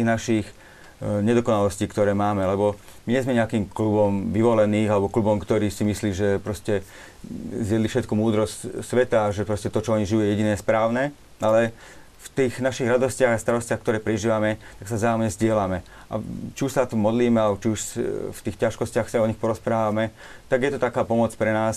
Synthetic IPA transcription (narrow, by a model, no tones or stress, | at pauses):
t̪iːɣnaʃiːx | ɲɛd̪ɔkɔnalɔsciːkt̪ɔɾɛːmaːmɛlɛbɔ | miɲɛzmɛɲɛakiːmklubɔmʋiʋɔlɛniːɣalɛbɔklubɔmkt̪ɔɾiːsimisliːʒɛpɾɔscɛ | zjɛd̪lifʃɛt̪̚kumuːd̪ɾɔscsʋɛt̪aʒɛpɾɔscɛt̪ɔt͡ʃɔɔɲiʒijujɛjɛɟinɛːspɾaːʊnɛː | ʔalɛ | ft̪iːxnaʃiɣɾad̪ɔscɪaɣast̪aɾɔscɪaxkt̪ɔɾɛːpɾɛʒiːʋamɛt̪aksazaːumɲɛzɟɪɛlamɛ | ʔa̰t͡ʃiuʃsaat̪umɔd̪liːmɛalɛbɔt͡ʃiuʃft̪iːxcaʃkɔscɪaxsaɔɲixpɔɾɔspɾaːʋamɛ | t̪aɡjɛt̪ɔt̪akaːpɔmɔt͡spɾɛnaːs